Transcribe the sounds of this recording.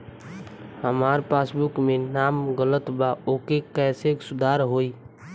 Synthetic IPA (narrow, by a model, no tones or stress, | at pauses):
həmaɾpasbukmenamɡələt̪baokekɛːseksud̪ʱaɾɦoi